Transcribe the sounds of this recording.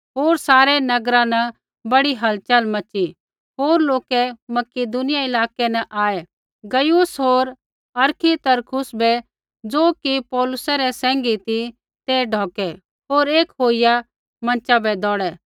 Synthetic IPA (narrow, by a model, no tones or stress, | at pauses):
ɦoːɾsaːɾɛnɐɡɾãnɛ | bɐɽiɦɐlt͡ʃəlmɐt͡ʃi | ɦoːɾloːkɛmɐkɪd̪ʊnɪjaɪlaːkɛnɛʔaːɛ | ɡɐjusɦoːɾ | ɐɾkʰit̪ɐɾkʰʊsbɛ | d͡zoːkipɔːlʊsɛɾɛsɛ̃ːŋɡit̪i | t̪eːɖʱɔːkɛ | ɦoːɾeːkɦoːɪja | mɐ̃nt͡ʃabɛd̪ɔːɽɛ